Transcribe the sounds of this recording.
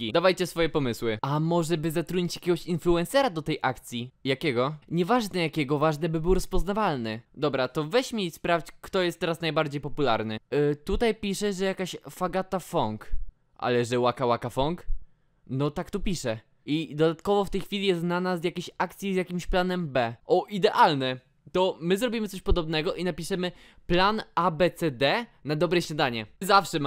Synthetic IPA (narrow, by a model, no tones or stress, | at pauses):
kʲid̪avajt͡ɕɛsfɔjɛpɔmɘswɘamɔʐɛbɘzat̪ɾuɲit͡ɕjakʲɛɡɔɕinfluɛnsɛɾad̪ɔt̪ɛjʔakt̪sʲjijakʲɛɡɔɲɛvaʐnɛjakʲɛɡɔvaʐnɛbɘbɘwɾɔspɔznavalnɘd̪ɔbɾat̪ɔvɛɕmʲeispɾaft͡ɕkt̪ɔjɛst̪ːɛɾasnajbaɾd͡ʑejpɔpula̰ɾnɘt̪ut̪ajpʲiʂɛʐɛjakaɕfaɡat̪afɔŋk | ʔa̰lɛʐɛwakawakafɔŋk | nɔt̪akt̪upʲiʂɛ | id̪ɔd̪at̪kɔvɔft̪ɛjxfʲilʲijɛst̪nanazjakʲeɕak̚t̪sʲjizjakʲimɕplanɛmbɛʔɔʔid̪ɛʔalnɛ | t̪ɔmɘzɾɔbʲimɘt̪sɔɕpɔd̪ɔbnɛɡɔʔinapʲiʂɛmɘ | planabɛt̪sɛd̪ɛnad̪ɔbɾɛɕɲad̪aɲɛzafʂɛ